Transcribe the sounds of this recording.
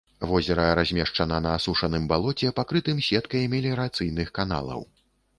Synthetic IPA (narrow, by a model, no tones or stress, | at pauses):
vɔzʲɛɾɐɾazʲmʲɛʂt͡ʂɐnɐnɐːsuʂɐnɨmbalˠɔt͡sʲɛpakɾɨt̪ɨmsʲɛt̪kɐjmʲɛlʲiɾat̪sɨjnɨxkan̪a̰lˠɐ̰w